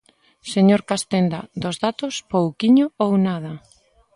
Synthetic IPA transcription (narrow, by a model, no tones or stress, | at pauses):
seɲoɾkast̪end̪ad̪ozðat̪ospowkiɲoownað̞ɐ